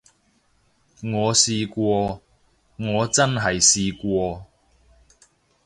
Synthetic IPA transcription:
ŋɔː˨˧siː˧kwɔː˧ | ŋɔː˨˧t͡sɐ˥nɦɐ˨jsiː˧kʷɔː˧

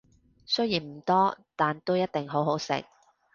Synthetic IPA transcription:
sɵ˥jiː˨˩nm̩˨˩t̪ɔː˥t̪aː˨nt̪o˥wjɐ˥t̚t̪ɪ˨ŋɦo˨˥wɦo˨˥wsɪ̰˨k̚

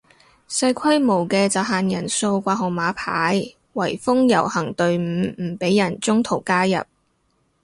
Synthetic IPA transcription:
sɐ˧jkʷʰɐ˥jmo˨˩wkɛː˧t͡sɐ˨wɦaː˨njɐ˨˩nso˧wkʷaː˧ɦʊ˨ŋmaː˨˧pʰaː˨˥j | wɐ˨˩jfʊ˥ŋjɐ˨˩whɐ˨˩ŋt̪ɵ˧ɥm̩ː˨˧˥m̩˨˩pe˨˥jɐ˨˩nt͡sʊ˥ŋt̪ʰo˨˩wkaː˥jɐ̰˨p̚

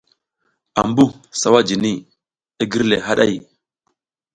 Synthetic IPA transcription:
a̰˨mbu˦ | sa˦wa˦d͡ʒi˨ni˦ | i˦ɡi˦ɾle˨ɦa˦ɗa˦˨j

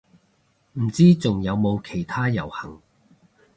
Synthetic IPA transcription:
m̩˨˩t͡siː˥t͡sʊ˨ŋjɐ˨˧wmo˨˧wkʰe˨˩jt̪ʰaː˥jɐ̰˨˩whɐ˨˩ŋ

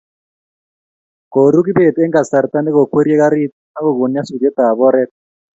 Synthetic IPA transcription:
ko˨ɾu˦k̬i˦be˦˨tɛ˦ŋɡa˨sa˨ɾta˦ne˦kɔ˨kwe˦ɾje˦ka˦ɾi˦t̪̚na˦kɔ˨ɡo˨nja˦su˨dɛ˦t̪a˨βɔ˦ɾɛ˦t̚

